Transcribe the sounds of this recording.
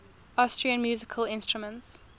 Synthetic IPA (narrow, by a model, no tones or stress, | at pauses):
astɹ̥iə̃nmjuːzɪkʰəlɪ̃nstɹ̥əmə̃nts